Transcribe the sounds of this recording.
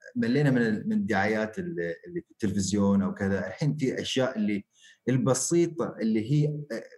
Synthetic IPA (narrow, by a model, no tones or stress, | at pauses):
malːeːnamɪnɪmɪnd̪ːaʕajaːt̪ɪlɪlːiɪt̪ːɪlfɪzjoːnʔawkɪðaʔɪlħiːnfiʔa̰ʃjaːʔɪlːi | ɪlbɑsiːt̪ˤɑʔɪlːiɦiː